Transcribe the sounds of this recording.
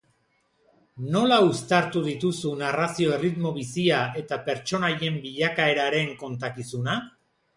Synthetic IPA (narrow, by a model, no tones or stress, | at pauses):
no̞laust̪aɾt̪uð̞it̪usunarasio̞erit̪mo̞β̞isiae̞t̪ape̞ɾt͡ʃo̞naje̞mbiʎakae̞ɾaɾe̞ŋko̞nt̪akisuna